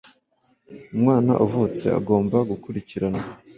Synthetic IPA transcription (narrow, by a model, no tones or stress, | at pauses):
umŋaːna̰ʔuvut͡se̞̰a̰ɡo̞ːmbaɡukuɾiciɾana